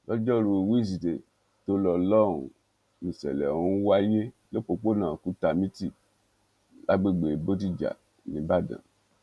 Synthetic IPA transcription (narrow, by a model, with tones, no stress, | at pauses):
lɔ˦d͡ʒɔ˦˨ɾu˧˨wi˦˨s̬i˨te˨ | to˧lɔ˧lɔ˦ɾṵ̃˨ | nĩ˨sɛ̰˨lɛ̰˨ũ˦wa˦je˦ | lo˦k͡po˧k͡po˦nãː˦˨ku˨˦ta˨mĩ˦ti˦˨ | la˦ɡ͡be˦˨ɡ͡be˨bo˦t̬i˦˨d͡ʒa̰˨ | nĩ˨˦ba˦˨dã̰˨